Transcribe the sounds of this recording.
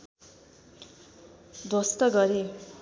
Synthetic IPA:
d̪ost̪ʌɡʌɾe

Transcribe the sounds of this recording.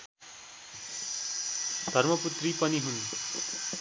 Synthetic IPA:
d̪ʱʌrmʌput̪ripʌniɦun

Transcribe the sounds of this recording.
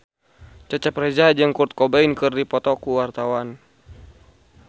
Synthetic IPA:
t͡ʃat͡ʃapɾɛd͡ʒad͡ʒɨŋkurt̪̚kɔbainkɨrdipɔt̪ɔkuwart̪awan

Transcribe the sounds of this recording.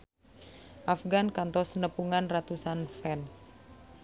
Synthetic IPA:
ʔafɡankant̪ɔsnəpuŋanrat̪usanfɛns

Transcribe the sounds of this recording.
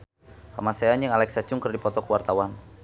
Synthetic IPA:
ka̰masaanjəŋalɛksat͡ʃuŋkərdipɔt̪ɔkəwart̪awan

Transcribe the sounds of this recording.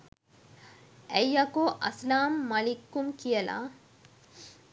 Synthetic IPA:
ʔæjːɐkoʔɐslaːmːɐlikːumkijɐla̰

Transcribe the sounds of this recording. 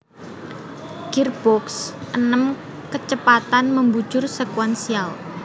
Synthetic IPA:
ɡ̥irb̥ɔksʔənəm | kət͡ʃəpat̪anməmbu̥ʒʊrsekwɛnsial

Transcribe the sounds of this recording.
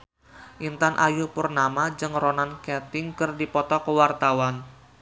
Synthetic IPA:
ʔint̪anʔajupʊrnamad͡ʒɨŋɾonankɛt̪ɪŋkɨrdipɔt̪ɔkəwart̪awan

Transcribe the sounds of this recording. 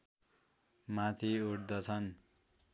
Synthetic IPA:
mat̪ʰiuʈd̪ʌt͡sʰʌn

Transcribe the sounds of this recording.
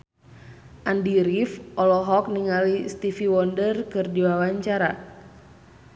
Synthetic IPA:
ʔandiɾifʔɔlɔɦɔk̚niŋalist̪ifiwɔndərkɨrdiwawaɲt͡ʃaɾa

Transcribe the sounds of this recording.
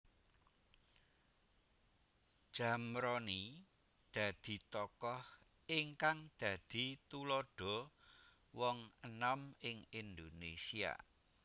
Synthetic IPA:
d̥ʒ̥a̤mɾɔni | d̪̥ä̤d̪̥i̤t̪ɔkɔh | ɪŋkaŋd̪̥ä̤d̪̥i̤t̪ulɔɖ̥ɔ̤ | wɔŋənɔmɪŋind̪onesia̰

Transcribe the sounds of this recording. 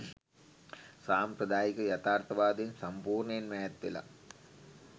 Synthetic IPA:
saːmprɐd̪aːjikɐjɐt̪aːrt̪ʰɐʋaːd̪insɐmpuːrɳɐjenmajɐt̪ːʋḭlɐ̰

